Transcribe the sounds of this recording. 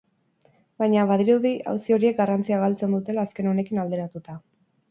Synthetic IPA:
bajɲaβað̞iɾuðiʔa̰wsio̞ɾie̞k̚ɡarant͡siaɣalt͡se̞nd̪ut̪e̞laːske̞no̞ne̞kinald̪e̞ɾat̪ut̪a

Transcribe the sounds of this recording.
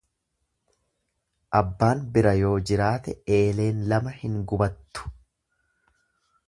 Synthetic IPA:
ʔɐbːaːnbɪɾɐjo̞ːd͡ʒɪɾaːt̪ɛe̞ːle̞ːnlɐmɐhɪŋɡʊbɐt̪ːʊ̥

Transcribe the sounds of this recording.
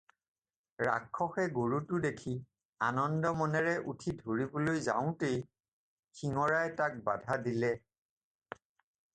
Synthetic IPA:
ɹa̰kʰːɔxɛɡoɹutʊdekʰi | anɔndɔmɔnɛɹɛʔutʰidʱoɹibɔlojza̰ʊ̃tej | kʰiŋɔɹajtak̚ba̰dʱadilɛ

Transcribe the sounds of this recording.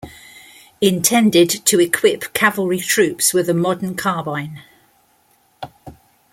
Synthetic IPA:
ɪ̃ntʰɛ̃ndɪdtʰəɪkʰw̥ɪpkʰavəlˠɹitʰɹ̥ʉˑpswɪðəmɒdⁿən̩kʰɑːbãɪ̃n

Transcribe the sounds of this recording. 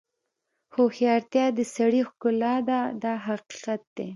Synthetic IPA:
xoxjɑɾt̪jɑd̪əsaɽixkʊlɑd̪ad̪ɑɦaqi̥qat̪̚d̪̥e

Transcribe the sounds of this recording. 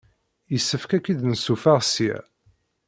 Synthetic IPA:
jəsːəfkækːid̪nəsufaʁsijæ̰

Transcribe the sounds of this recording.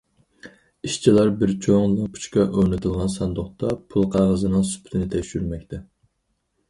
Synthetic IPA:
iʃt͡ʃʰilˠɑɾbɪɾt͡ʃʰoŋɨpʰu̥t͡ʃkʲɑʔøɾnɪt̪ʰɨlˠʁɑnsɑnd̪oχt̪ɑpʰulˠqʰɑʁəzɨnɨŋsu̥pʰt̪ʰɪnɪt̪ʰɛkʃyɾmɛk̚ʲt̪ʰɛ

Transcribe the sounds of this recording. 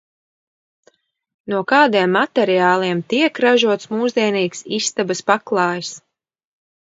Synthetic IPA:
nuɔkɑːd̪iɛmːat̪ɛɾiaːlˠiɛmt̪iɛkɾaʒuɔt̪smuːzd̪iɛniːksist̪abɐspaklˠɑːjs

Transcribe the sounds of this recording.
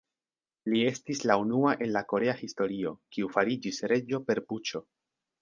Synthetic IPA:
lie̞stislaunuaʔe̞nlako̞ɾe̞ahisto̞ɾio̞kiufaɾid͡ʒisɾe̞d͡ʒo̞pe̞ɾput͡ʃo̞

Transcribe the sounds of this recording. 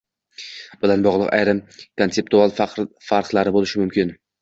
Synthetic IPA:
b̥ɪlanbɒʁlˠɨqa̰jɾɪmkʰonse̞p̚t̪ualˠfqɾfaɾqlˠaɾɪbolɪʃɪmʊmkʲɪn

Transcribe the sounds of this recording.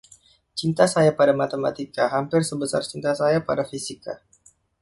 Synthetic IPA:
t͡ʃint̪asajapadamat̪ema̰t̪ikaɦampɪrsəbəsart͡ʃint̪asajapadafisika

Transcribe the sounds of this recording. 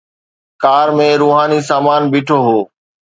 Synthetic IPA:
kaːɾmẽːɾuːɦaːnisaːmaːnbɪːʈʰoːɦoː

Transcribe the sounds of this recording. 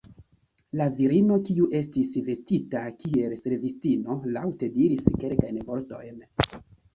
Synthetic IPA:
laviɾino̞kiuʔe̞stisve̞stitakie̞lse̞ɾvistino̞lawte̞diɾiske̞lkajnvo̞ɾto̞̰jn

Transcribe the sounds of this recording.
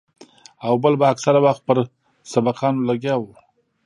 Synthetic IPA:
awbəlbaːksaɾawaxt̪̚pəɾ | sabaqʰɑnolaɡjɑwu

